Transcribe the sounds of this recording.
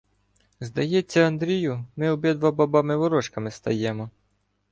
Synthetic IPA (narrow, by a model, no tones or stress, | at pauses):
zd̪ɐjɛt͡sʲːɐɐnd̪ɾʲijʊmɪʊbɛd̪ʋɐbabɑmɪʋɔɾɔʃkɐmɪst̪ɐjɛmɔ